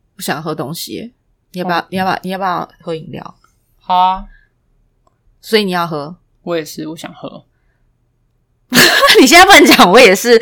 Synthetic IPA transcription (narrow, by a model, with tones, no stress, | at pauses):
u˥˩ɕjɑ̰˨˩ŋxɤ˧˦˥t̪o˦ŋɕḭ˨˦ | ni˨jba˨˩˥ni˨ja̰˨˩ni˨jba˥˩jɑ˥˩xɤ˧˦i˨˩ŋljɑ̰˨ʊ | ha˥˦ | swi˨ni˨˩jɑ˥˩ʊxɤ˧˦ | wɔ˧˦jɛ˨˩ʂɻ̩˥˩wɔ˧˥˦ɕjɑ̰˨˩ŋxɤ̰˧˦ | ni˨ɕ̬jɛ˥na˥pə˧nt͡ɕjɑ˨˦ŋwɔ˧˦jɛ˨˩ʂɻ̩˥˨